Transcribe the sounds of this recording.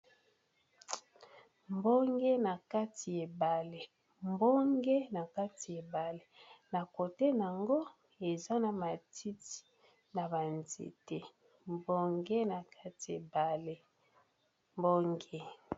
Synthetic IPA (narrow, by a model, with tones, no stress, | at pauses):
mbo˦ŋɡe˦na˨ka˦ti˨e˨ba˨le˨ | mbo˦ŋɡe˦na˨ka˦ti˨e˨ba˨le˦na˨ko˨te˦n˨a˨ŋɡo˦ | e˨za˦na˨ma˨tʰi˦ti̥˨ | na˨ba˨nzḛ˨te˦ | mbo˦ŋɡe˦na˨kʰa˦ti˨e˨ba˨le˦ | mbo˦ŋɡe˦